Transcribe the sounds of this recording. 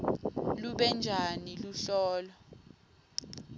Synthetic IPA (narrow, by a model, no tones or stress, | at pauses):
luɓɛnd͡ʒʱaniluɬɔːlɔ